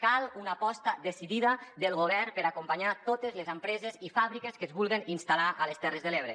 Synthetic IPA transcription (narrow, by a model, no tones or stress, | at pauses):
kalˠunapɔst̪ad̪esiðiðəd̪əlˠɣoβɛrpəɾakumpaɲat̪ot̪əzlezəmpɾɛzezifaβɾikeskəzβulˠɣeninst̪alaʔələst̪ɛrəzðəleβ̞ɾe